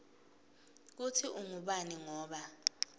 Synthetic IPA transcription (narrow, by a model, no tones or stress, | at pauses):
k̬utʰiʔuŋuɓaniŋɔːɓa